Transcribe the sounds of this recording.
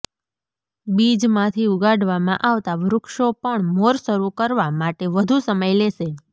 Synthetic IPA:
bid͡ʒmãt̪ʰiuɡaɖʋamãʔaʋt̪aʋɾʊkʃopəɳmoɾsəɾukəɾʋamaʈeʋəd̪ʱusəməjleʃe

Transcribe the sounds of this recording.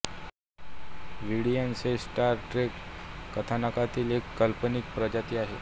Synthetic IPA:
ʋiɽijansesʈaɾʈɾekkət̪ʰanakat̪iːlekːəlpənik̚pɾəd͡ʑat̪iːaɦḛ

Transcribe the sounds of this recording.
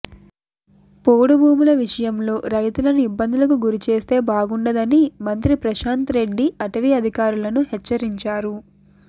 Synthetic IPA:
poːɽubʱuːmulɐʋiʂɐjɐmlo̞ːɾɐjt̪ulɐnuibːɐnd̪ʱulɐk̬uɡuɾit͡ʃe̞ːst̪e̞ːbaːɡuɳɖɐd̪ɐnimɐnt̪ɾipɾɐʃaːnt̪ɾe̞ɖːiɐʈɐʋiɐd̪ʱikaːɾulɐnuhɛt͡ʃːɐɾiɲt͡ʃaːɾu

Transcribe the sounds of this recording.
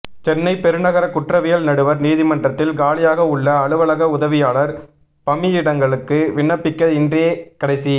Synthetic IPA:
t͡ʃɛnːɐɪpɛɾɯnɐɣɐɾɐkʊʈrɐʋɪjɐlnɐɽɯʋɐɾniːðɪmɐndrɐt̪ːɪlɡaːlɪjaːɣɐʊɭːɐːɭɯʋɐɭɐɣɐʊðɐʋɪjaːɭɐɾ | pɐmɪjɪɽɐŋɡɐɭɯkːɯʋɪɳɐpːɪkːɐðɪndreːkɐɽɐɪsi

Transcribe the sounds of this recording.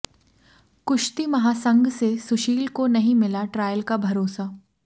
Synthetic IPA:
kʊʃt̪imɐɦaːsɐ̃ŋɡsesʊʃiːlkonɐɦĩmɪlaʈɾaːjəlkabʱɐɾoːsa

